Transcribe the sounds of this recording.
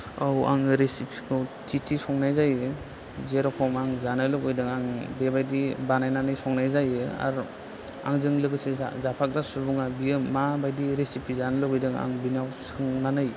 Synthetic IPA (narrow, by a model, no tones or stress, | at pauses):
awa̰ŋɾesipʰikʰɯtʰitʰisɔŋnajzajɯ | zeɾɔpʰɔmaŋzanɯjlɔkɔjdɯŋaŋbebajdibanajnanɯjsɔŋnajzajɯa̰ɾ | a̰ŋzɯŋlɯɡɯsezapʰak̚dasubuŋabijɯmabajdiɾesipʰizanɯlɔkɯjdɯŋa̰ŋbinawsɯŋnanɯj